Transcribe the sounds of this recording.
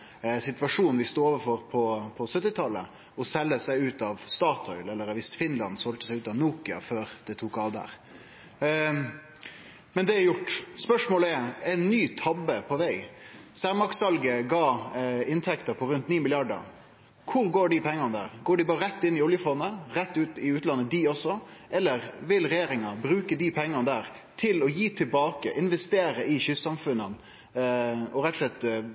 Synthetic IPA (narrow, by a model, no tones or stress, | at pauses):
sɪt̪ʋɑʂuːnnʋɪst̪uːoɔːʋəfɔɾpʰɔpʰɔsœt̪ːɪt̪ʰɑlːə̰ | ɔsɛlːəsæɪʉːt̪ɑʋst̪ɑːt̪ʰɔʏlɛlːəɾɑʋɪsfɪnlɑnsɔlt̪əsæɪʉːt̪ɑʋnuːkɪɑ̰føːɾd̪̥ɛt̪ʰuːkɑːʋd̪ə̰ɾ | mɛnd̪ɛæjʊʈːspœʂmoːləɛɛnːyːt̪ʰɑbəpʰɔʋæɪsæɾmɑksɑlɡəɡɑːɪnt̪ʰɛkt̪əɾpʰɔɾʉnt̪niːmɪlɪɑɖə̰ɾ | kʰʊɾɡoːɖɪpʰɛŋːɑnəd̪æ̰ːɾɡoːɖɪbɑːɾəɾɛt̪ːɪnːɪʊljəfɔnːəɾɛt̪ːʉːt̪ɪʉːt̪lɑnːəd̪ɪɔsːɔʔɛlːəɾʋɪlɾɛjeːɾɪŋɑbɾʉːkəd̪ipʰɛŋːɑnəd̪æːɾ | t̪ʰɪlɔjiːt̪ʰɪlbɑːkəʔɪnʋɛst̪eːɾəʔɪçʏssɑmfʉnːən | ɔɾɛt̪ːɔʂlɛt̪ː